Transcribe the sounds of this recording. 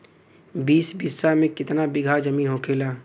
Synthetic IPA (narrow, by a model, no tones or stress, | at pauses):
biːsbisːamẽkɪt̪nabɪɡʱaːd͡ʒɐmiːnɦoːkʰeːlaː